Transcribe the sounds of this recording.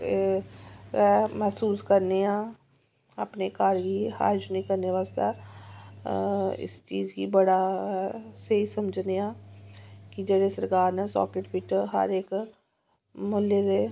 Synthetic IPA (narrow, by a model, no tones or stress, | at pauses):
ɛːmɛːsuːskəɾneːãː | əpneːkaːɾɡiːha̰ːɾd͡ʒnĩːkəɾneːʋaːst̪ɛ̰ː | ɪ̰st͡ʃiːd͡ʒkiːbəɽaːɛːseisəməd͡ʒʱneːãː | kɪd͡ʒeːɽeːsəɾkaːɾnɛːsɔ̰ːkɪʈpɪt͡ʃɦə̰ɾek | mʊlːeːɾeː